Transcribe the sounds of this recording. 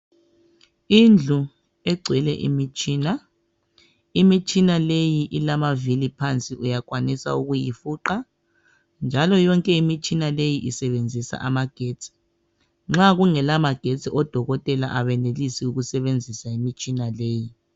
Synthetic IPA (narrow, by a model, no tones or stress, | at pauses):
ind͡ɮʱu | ɛɡ͡ǀʱwɛlɛ̰ʔḭmit͡ʃʼiːna | imit͡ʃʼinalejiʔilamavilipʰant͡sʼiʔujakwanisa̰uɣujifuǃa | nd͡ʒʱalɔjɔŋkʼɛimit͡ʃʼinalejiʔisɛβend͡zʱisa̰ʔa̰maɡ̥ʱeːt͡sʰʼi̥ | ŋ͡ǁaɣuŋɛlamaɡ̥ʱet͡sʼiʔɔd̥ʱɔɣɔtʼɛla̰ʔaβɛnelisiuɣusɛβend͡zʱisaimit͡ʃʼinaleːji